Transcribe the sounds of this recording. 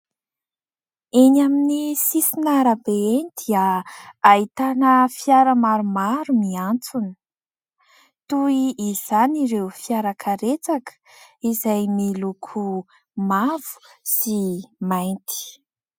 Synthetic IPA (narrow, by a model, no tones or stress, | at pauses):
enaminisisinaɾabeenid̪iəait̪anəfiaɾəmaɾumaɾumiant͡sunə̥ | t̪uiʔːz̥aniɾewfiaɾakʰaɾet͡sakə̥ | izajmilukʰu | mavu̥simajnt̪i̥